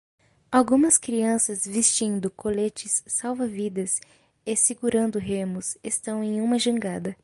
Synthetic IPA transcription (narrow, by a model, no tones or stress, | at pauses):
awɡũmɐskɾiɐ̃sɐzvist͡ʃĩnd̪ʊkolet͡ʃɪsːawvɐvid̪ɐs | esiɡuɾɐ̃nd̪ʊɦẽmʊsest̪ɐ̃w̃ẽj̃ũmɐʒɐ̃ŋɡad̪ɐ